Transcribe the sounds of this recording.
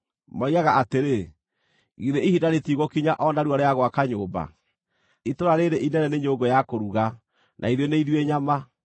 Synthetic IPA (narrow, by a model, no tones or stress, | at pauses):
maiaɣaʔateɾe | ɣiðeihidaɾetiɣɔkiɲaʔɔnaɾwaɾeaɣwakaɲoːba̰ | itoɾaɾeɾeʔinɛnɛneɲoɡojakoɾuɣa | nʔa̰iðjɔneiðweɲama